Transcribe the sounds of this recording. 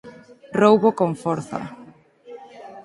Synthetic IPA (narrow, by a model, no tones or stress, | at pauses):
rowβokoɱfɔɾθa̰